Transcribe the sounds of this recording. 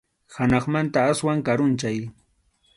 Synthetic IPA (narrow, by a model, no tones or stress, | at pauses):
hanɑχmant̪aaswaŋkaɾʊnt͡ʃaj